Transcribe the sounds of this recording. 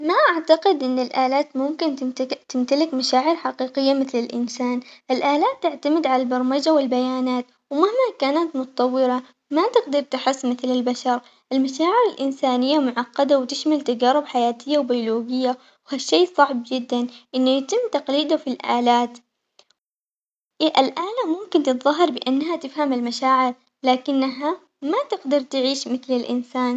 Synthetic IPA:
maʔaʕt̪aqɪd̪ʔɪnːɪlʔaːlaːt̪mʊmkɪnt̪ɪmt̪alɪkmaʃaːʕɪɾħaqiːqɪjːamɪθlɪlʔɪ̰nsaːnʔɪlʔaːlaːt̪ːɪʕt̪amɪd̪ʕalalbɑɾˤmad͡ʒawɪlbajaːnaːt̪ | wmahmakaːnat̪mʊt̪ɑt̪ˤɑwːɪɾa | mat̪ɪɡd̪ɑɾˤt̪ɪħɪsːmɪθlɪlbaʃɑɾˤ | ʔɪlmaʃaːʕɪɾɪlʔɪnsaːnɪjːamʊʕɑqːɑd̪awt̪ɪʃmalt̪ad͡ʒaːɾɪbħajaːt̪ɪjːawbijʊloːɡɪjːa | whaʃːeːsˤɑʕb̚d͡ʒɪd̪ːanʔɪnːajat̪ɪmːt̪aqliːd̪afilʔaːlaːt̪ | ʔalʔaːlamʊmkɪnt̪ɨt̪ðˤɑɦːɑɾˤbɪʔanːɦat̪ɪfhamalmaʃaːʕɪɾ | laːkɪnːaɦa | mat̪ɪɡd̪ɑɾˤt̪ɪʕiːʃmɪθlɪlʔɪ̰nsaːn

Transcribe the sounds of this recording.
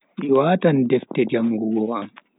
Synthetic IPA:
ʔiwaːtandɛftɛd͡ʒamɡuɡɔwam

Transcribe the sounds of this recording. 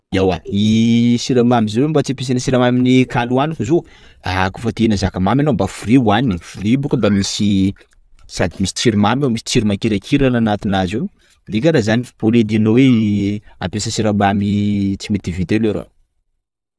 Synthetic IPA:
iawa̰nisiɾamamizowembat͡sipes̬enəsiɾamaminikanuanufazo | akufət̪ienazakamamanobafuɾiuaniifuɾibukənd̪amisi | sad̪imisi̥t͡siɾimamomisi̥t͡siɾimakeɾakʰiɾananat̪inazew | d̪ekʲaɾazanipoled̪ianowe | a̰mpesəsiɾamamit͡simit̪ivit̪eleɾo̰

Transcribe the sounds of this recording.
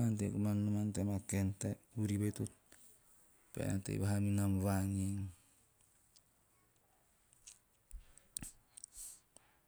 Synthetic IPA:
antekumannumantemakenteuɾiβetut̚ | pḛna̰tḛḭβaɦaminamβaŋiŋ

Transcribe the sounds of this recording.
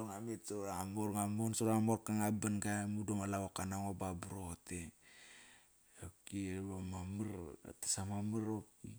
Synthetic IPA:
oɾŋametsoɾamoɾŋamonsoɾamoɾkaŋabanɡamudoŋalawokanaŋobabɾote | okiβamamɨɾa̰tḁsamamɨɾop̚i

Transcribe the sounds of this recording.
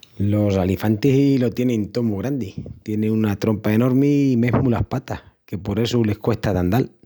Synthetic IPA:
lo̞salifant̪isilo̞t̪je̞nent̪o̞muɣɾand̪it̪je̞nẽunat̪ɾo̞mpae̞no̞ɾmime̞ɦmulahpat̪ahke̞po̞ɾe̞sule̞hkwe̞ht̪aðand̪al

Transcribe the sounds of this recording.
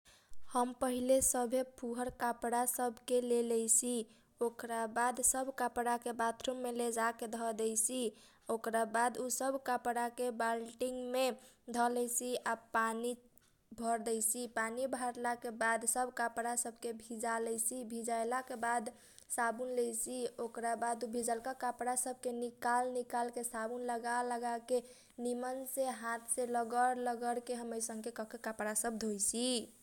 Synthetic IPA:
həmpəɦilesəbʱepʰuɦəɾkapɽasəbʱkelelɛjsi | okɾabad̪səbʱkapɽakebat̪ʰɾumːeled͡ʒaked̪ʱɔd̪ɛjsi | okɾabad̪usəbʱkapɽakebalʈiŋɡmed̪ʱɔlɛjsiapani | bʱəɾd̪ɛjsipanibʱaɾlakebad̪səbʱkapɽasəbʱkebʱid͡ʒalɛjsibʱid͡ʒajlakebad̪ | sabunlɛjsiokɾabad̪ubʱid͡ʒalkakapɽasəb̚ʱkenikalnikalkesabunləɡaləɡake | nimənsẽɦãt̪ʰsẽləɡəɾləɡəɾkeɦəməjsə̃ŋɡkekɔkekapɽasəb̚d̪ʱojsi

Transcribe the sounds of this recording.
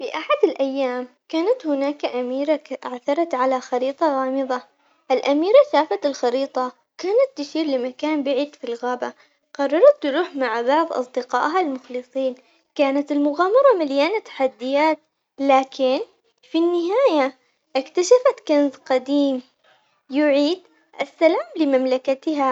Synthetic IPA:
fiʔaħad̪ɪlʔajːaːm | kaːnat̪hʊnaːkaʔamiːɾaʔaʕθɑɾˤɑt̪ʕalaxɑɾiːt̪ˤɑɣɑːmɨðˤɑ | ʔɪlʔamiːɾaʃaːfat̪ɪlxɑɾiːt̪ˤɑ | kaːnat̪ːɪʃiːɾlɪmakaːnbaʕiːd̪filɣaːba | qɑrˤːɑɾˤɑt̪ːʊɾuːħmaʕbɑʕðˤʔɑ̰sˤd̪ɪqɑ̰ːʔɦalmʊxlɨsˤiːn | kaːnat̪ɪlmʊɣaːmɑɾˤɑmaljaːnat̪ːḁħad̪ːɪjaːt̪̚ | laːkʰɪn | finːɪɦaːja | ʔɪkt̪aʃafat̪kanzqɑd̪iːm | jʊʕiːd̪ | ʔasːalaːmlɪmamlakat̪ɦa

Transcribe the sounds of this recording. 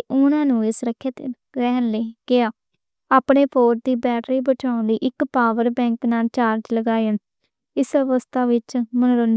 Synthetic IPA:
ʔʊnãːnũːɪsɾəkʰːeːt̪e | ɾɛːənleːɡ̥ɪaː | aːpɳeːpʰoːʈ̚d̪iːbɛːʈɾiːbəʈʰaːʊnd̪iːʔɪkpaːʋəɾbɛ̃ːŋknaːlt͡ʃaːɾd͡ʒləɡaːeən | ɪsəʋəst̪ʰaːʋɪt͡ʃmənɾon

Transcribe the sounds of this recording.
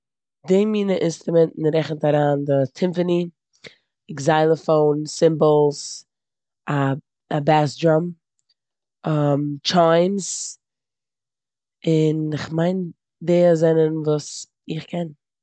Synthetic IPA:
demiːnəʔɪnst̪ɾʊmɛntn̩ɾɛχn̩taɾaːndɪtʰɪmfəni | ɪɡzaɪlˠəfoʊnsɪmbl̩ˠs | a | abasdɾam | amt͡ʃaɪms | ɪnɪχmaɪn | deːzɛnənvuːs | ɪχkʰɛn

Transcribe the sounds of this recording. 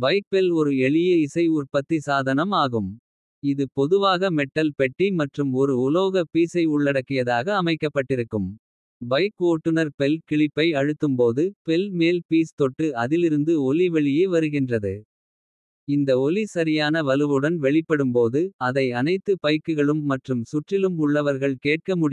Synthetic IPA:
bɐɪk̚pɛlɔɾɯɛɭɪjɐɪsɐɪʊrpɐt̪ːisaːðɐnɐmaːɣɯm | ɪðɯpɔðɯʋaːɣɐmɛʈːɐlpɛʈːimɐʈrɯmɔɾɯʊloːɣɐpiːsɐɪʊɭːɐɽɐkːɪjɐðaːɣɐːmɐɪkːɐpːɐʈːɪɾɯkːɯm | bɐɪkoːʈːɯnɐɾpɛlkɪɭɪpːɐɪɐɻɯt̪ːɯmpoːðɯpɛlmeːlpiːst̪ɔʈːɯɐðɪlɪɾɯnd̪ɯɔliʋɛɭɪjeːʋɐɾɯɣɪndrɐðɯ | ɪnd̪ɐɔlisɐɾɪjaːnɐʋɐlɯʋɯɽɐnʋɛɭɪpːɐɽɯmpoːðɯɐðɐɪɐnɐɪt̪ːɯpɐɪkːɯɣɐɭɯmːɐʈrɯmsʊʈrɪlɯmʊɭːɐʋɐɾɣɐɭkeːʈ̚kɐmʊɽɪ

